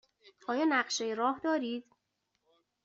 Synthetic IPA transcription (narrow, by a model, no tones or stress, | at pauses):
ʔɒːjɒːnæɢʃejeɾɒːhd̪ɒːɾiːd̪̥